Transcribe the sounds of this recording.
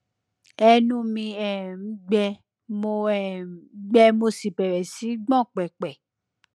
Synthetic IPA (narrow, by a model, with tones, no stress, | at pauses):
ɛ˧nũ˦mĩ˧ɛ˨˦ɡ͡bɛ˧ | mo˧ɛ˨˦ɡ͡bɛ˧mo˧si˨pɛ˨ɾɛ˨si˨˦ɡ͡bɔ̃˦˨k͡pɛ˨k͡pɛ˨